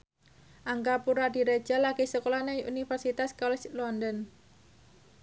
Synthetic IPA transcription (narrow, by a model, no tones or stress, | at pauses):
ʔaŋɡapuɾadiɾe̥d͡ʒ̥alaɡesəkolanaunifərsit̪askɔlɛt͡ʃlɔndɔn